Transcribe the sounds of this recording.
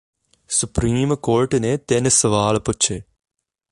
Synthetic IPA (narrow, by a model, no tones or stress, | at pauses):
sʊpɾiːmkoːɾʈnet̪ensəʋaːlpʊt͡ʃʰeː